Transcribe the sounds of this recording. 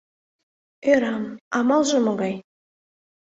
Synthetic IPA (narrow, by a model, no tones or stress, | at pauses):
eɾɑmɑmɑlˠʒəməɡɑj